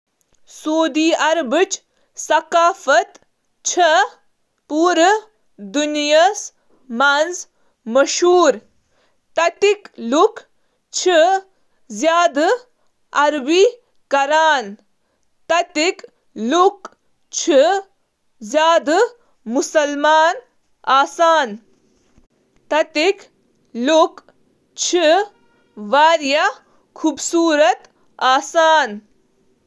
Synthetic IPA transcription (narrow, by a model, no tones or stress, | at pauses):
soːd̪iːɐɾbɨt͡ʃ | sɐkaːfɐt̪ | t͡ʃʰɐ | puːɾə | d̪unijas | manz | mɐʃɦuːɾ | t̪ɐt̪ikluk | t͡ʃʰi | zjaːd̪ɨ | ɐɾbi | kɐɾaːn | t̪ɐt̪ik | luk | t͡ʃʰi | zjaːd̪ | musɐlmaːn | aːsaːn | t̪ɐt̪ik | lok | t͡ʃʰi | ʋaːɾjɐ | kʰuːbsuːɾɐt̪ | aːsaːn